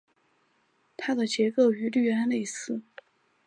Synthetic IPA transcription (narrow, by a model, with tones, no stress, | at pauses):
t̪ʰa˥d̪ə˨t͡ɕjɛ˧˥ko˥˩ʊy˧˥ly˥˩ɥɛ˧˥nle˥˩i˧˥sʰɹ̩˥˩